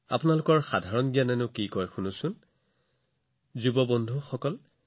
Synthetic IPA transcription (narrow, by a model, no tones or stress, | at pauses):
a̰pʊnalʊkɔɹxadʱaɹɔnɡijanɛnʊkikɔjxunusʊn | zubɔbɔndʱuxɔkɔl